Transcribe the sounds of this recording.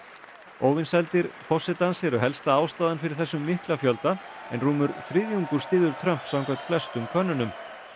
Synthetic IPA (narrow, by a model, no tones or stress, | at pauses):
oːwvɪnsɛlt̪ɪɾfɔsɪt̪ansɛɾʏɦɛlst̪aaːwst̪aːðanfɪɾɪɾ̥θɛsːʏmːɪhklafjœlt̪a | ɛnruːmʏɾfɾɪðjuŋkʏɾst̪ɪːðʏɾ̥t̪ʰɾœm̥psawŋkœt̪flɛst̪ʏmkʰœnːʏnʏm